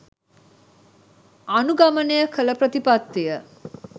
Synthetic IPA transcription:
anuɡamənəjəkʰələpɾət̪ipat̪ːijə

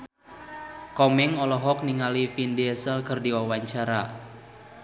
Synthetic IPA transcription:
kɔmɛŋɔlɔɦɔk̚niŋalifindiɛsəlkərdiwawaɲt͡ʃaɾa

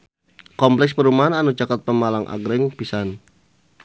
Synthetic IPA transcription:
kɔmplɛkspəɾumaɦananut͡ʃakat̪̚pəmalaŋʔa̰ɡɾɛŋpisan

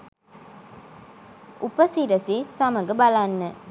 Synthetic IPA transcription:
upəsiɾəsesaməɡəbalanːə

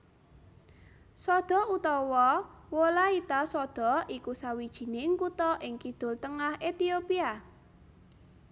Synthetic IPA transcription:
sɔd̪̥ɔ̤ut̪ɔwɔwolait̪asɔd̪̥ɔ̤ʔikusawid̥ʒ̥i̤neŋkut̪ɔʔɪŋkid̪̥ʊ̤lt̪əŋahʔet̪iopia

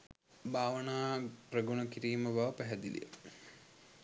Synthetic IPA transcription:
bʱaːʋənaːprəɡunəkiɾiːməbaʋəpæɦæd̪ilḭjə̰

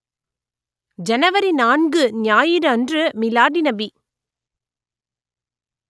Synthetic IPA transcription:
d͡ʒɛnɐʋɐɾinaːɳɡɯnjaːjɪɾɯɐndrɯmɪlaːɽinɐbi

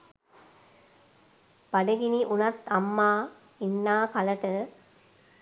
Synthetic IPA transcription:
b̥aɖəɡiniʔunat̪amːaː | inːaːkaləʈə

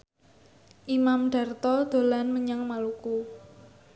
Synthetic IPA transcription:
ʔimamɖ̪̥a̤rt̪ɔd̪̥o̤lanməɲaŋmaluku

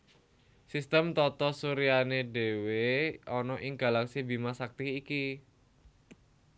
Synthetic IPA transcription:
sist̪əmt̪ɔt̪ɔsuɾianede̤weɔnɔʔɪŋɡ̥a̤laksibi̤masak̚t̪iːki

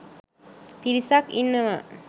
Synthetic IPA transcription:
piɾisakinːəmə

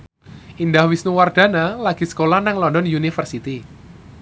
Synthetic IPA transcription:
ʔindahwisnuward̪̥a̤nalaɡ̥i̤sə̥kolanaŋlɔndɔnjunifərsit̪i

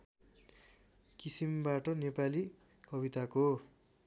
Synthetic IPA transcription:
kisimbaʈʌnepali | kʌbit̪ako

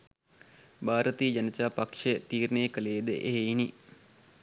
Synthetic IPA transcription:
baːɾət̪iːd͡ʒanət̪aːpakʂet̪iːɾnəjːkəleːd̪əʔeɦeini

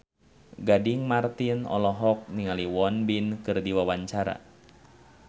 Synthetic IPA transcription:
ɡadiŋmart̪inɔ̰lɔɦɔk̚niŋaliwɔnbinkɨrdiwawaɲt͡ʃaɾa̰

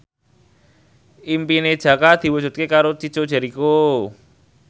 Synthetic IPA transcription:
ʔimpined̥ʒ̥ä̤kad̪̥i̤wud͡ʒ̥ṳt̪̚kekaɾot͡ʃi̥t͡ʃod̥ʒ̥a̤ɾiko

